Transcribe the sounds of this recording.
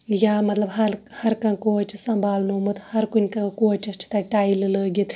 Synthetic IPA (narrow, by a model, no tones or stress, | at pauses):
jamɐt̪lɐbɦɐɾhɐɾkɐ̃koːt͡ʃisɐ̃mbʱaːlnoːmɨt̪hɐɾkunʲkãkoːt͡ʃɐst͡ʃʰi̥t̪ɐʈaːjilləːɡʲit̪